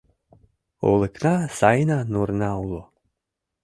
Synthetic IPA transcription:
o̰lˠeknasajnanuɾnaulˠo

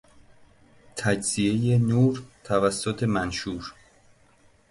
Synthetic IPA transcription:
t̪ʰæd͡ʒz̥ijejenuːɾt̪ʰævæsːot̪ʰe̞mænʃuːɾ

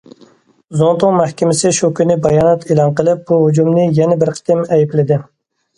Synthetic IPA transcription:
zont̪ʊŋmæhkʲɪmɪsɪʃukʲynɪbɑjɑːnɛt̪ʰelˠɑnqəlˠɨp̚buɦud͡ʒumnɪjɛnɛbɪɾqʰə̥t̪ɪmɛjiplɪd̪ɪ

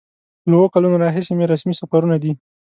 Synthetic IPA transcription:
lwokalunoɾɑɦɪsemeɾasmisafaɾunad̪i

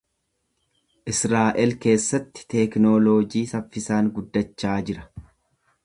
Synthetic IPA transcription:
ʔɪsɾaːʔɛlke̞ːsːɐt̪ːɪ̥t̪ɛknoːloːd͡ʒiːsɐfːɪsaːŋɡʊd̪ːɐt͡ʃːaːd͡ʒɪɾɐ

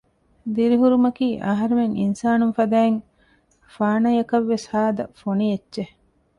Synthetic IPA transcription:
d̪iɾiɦuɾumɐkiːʔɐɦɐɾumeŋḭnsaːnunfɐd̪æːeŋ | faːnɐjɐkɐʋːeshaːd̪ɐ̰foniedːʒe

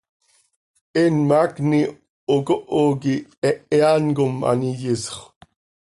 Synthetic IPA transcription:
enmakni | oɡoʔoɡiɛʔeanɡʊma̰nijɪsχ

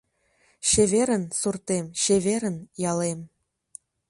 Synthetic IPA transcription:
ɕevʲeɾə̆nsurt̪emɕevʲeɾə̆njɑlem

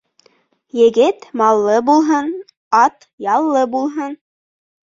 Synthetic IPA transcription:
jɘ̆ɡɘt̪mɑlˠːɤbulˠɦɤn | ɑt̪ | jɑlˠːɤbulˠɦɤn

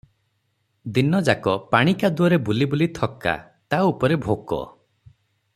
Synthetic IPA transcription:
d̪inɔd͡ʒakɔpaɽ̃ikad̪uɔɾebulibulit̪ʰɔkːa̰ | t̪aupɔɾebʱokɔ̰

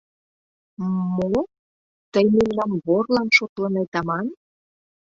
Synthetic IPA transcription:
mo | t̪əjmemlɑmβorlɑnʃot̪lənejt̪ɑmɑn

